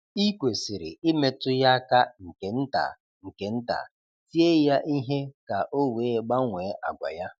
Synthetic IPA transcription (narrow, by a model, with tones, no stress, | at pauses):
i˦kʷe˨si˨ɾɪ̰˨ɪ˦me˨tʊ˦ja˦ka˦ŋ̩˨ke˨n̩˦ta̰˨ | ŋ̩˨ke˨n̩˦ta̰˨ | ti˦e˦ja˦ʔi˦ɦe˦ka˨ʔo˦we˨˦˨ɡ͡ba˦ŋʷeː˨˦ʔa̰˨ɡʷa̰˨ja˦